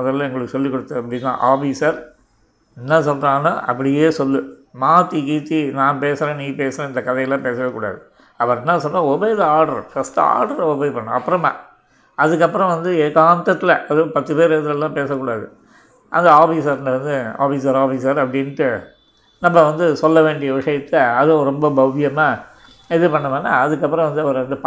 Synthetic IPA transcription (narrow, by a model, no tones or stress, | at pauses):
mɐðɐlːãːɛŋɡɐɭɯkːɯsɔlːikːɔɽɯt̪ːɯɐpːɐɽɪnːã̰ːʔaːfiːsɐɾ | ɪnːɐsɔlɾãːnaːʔɐ̰p̬ːɐɽɪjeːsɔlːɯmaːt̪ːikiːt̪ːinãːpeːsɐɾẽːniːpeːsɐɾẽːɪnd̪ɐkɐðɐjɐlːãːpeːsɐʋeːkuːɽa̰ːðɯ | ɐpɐɾnːãːsɔnːãːɔbejðɐaːɾɽɐɾfɐst̪ɯa̰ːɾɖɐɾɔbejpɐɳːʊ̰̃ɐpːɯɾɐma̰ | ɐðɯk̬ːɐpːɯɾɐ̃ʋɐnd̪ɯekaːnt̪ɐt̪ːɪlɐʔɐðɯpɐt̪ːɯpeːɾeðɯlɛlːãːpeːsɐkːuːɽaːðɯ̰ | ʔɐ̰nd̪ɐaːfiːsɐɾɐnd̪ɐʋɐnd̪ɯa̰ːfiːsɐɾaːfiːsɐɾɐpːɐɽɪnːʈːɯ | nɐmːɐʋɐnd̪ɯsɔlːɐʋeːɳɖɪjɐʋɪʂɐjɐt̪ːɐɐðõɾɔmbɐbɐʋɪjɐmaː | ɛðɯpɐɳːɐmaːnːa̰ːɐðɯk̬ːɐpːɯɾɐ̃ʋɐnd̪ɯɐʋɐɾɐnd̪ɯp